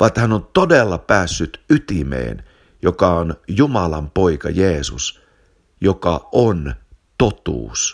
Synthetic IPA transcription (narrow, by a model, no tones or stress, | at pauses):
ʋɑt̪hænont̪odelːɑpæːsːyt̪yt̪imḛːn | jokɑonjumɑlɑmpo̞ikɑ̰jeːsus | jokɑʔont̪o̞t̪ṵːs